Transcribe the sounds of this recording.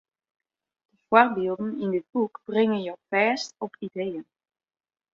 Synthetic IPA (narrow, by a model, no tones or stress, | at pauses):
d̥əv̥oɹbɪːlˠdənɪndɪd̚bukb̥rɪŋənjowfɛːstɔpʰidejən